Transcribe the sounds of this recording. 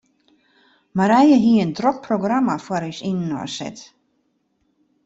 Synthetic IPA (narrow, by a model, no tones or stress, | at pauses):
maɾɛjəɦiəəndrok̚proɡramafwaɾysinnːɔ̰sɛ̰t